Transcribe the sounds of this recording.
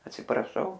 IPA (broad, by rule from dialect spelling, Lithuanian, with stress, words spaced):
ɐtʲsʲɪprɐˈʃɐʊ